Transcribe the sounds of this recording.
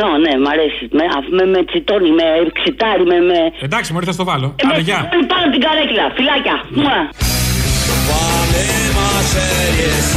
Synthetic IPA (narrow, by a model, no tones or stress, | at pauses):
onemɐɾesimeɐ̰fumemet͡sit̪onimeksit̪ɐɾimemeed̪ɐksimoɾiθɐst̪ovɐlomeeʝɐipɐnot̪iɡɐɾeclɐfilɐcɐuɐ | ovalemɐsejes